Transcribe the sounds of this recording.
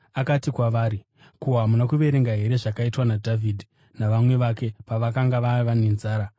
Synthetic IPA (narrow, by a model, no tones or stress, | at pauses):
akatikwaʋaːɾi | kuɦamunakuʋe̞ɾe̞ŋɡaɦe̞ɾe̞ʐakaitwanadʱavʱidʱi | naʋamwe̞ʋake̞paʋakaŋɡaʋaʋanenzaːɾa